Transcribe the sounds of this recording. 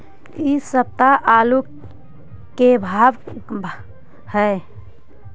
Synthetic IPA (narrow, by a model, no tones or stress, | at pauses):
isəb̚t̪aʔalu | kebʱaːb | həe